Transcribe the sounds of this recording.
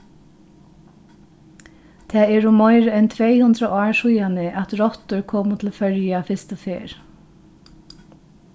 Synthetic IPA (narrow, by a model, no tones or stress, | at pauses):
t̪ʰɛːɛɹʊmɔɪɾɛnt̪ʰʋɛjhʉnd̪ɾəʔɑːɹʂujanɪʔat̪ɾɔt̪ʊɹkʰɔːmʊt̪ʰɪlfœɹjafɪst̪ɔfḛːɹ